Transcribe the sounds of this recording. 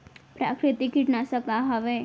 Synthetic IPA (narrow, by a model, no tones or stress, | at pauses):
pɾa̰ːkɾɪt̪ikiʈnasəkaɦɐʋe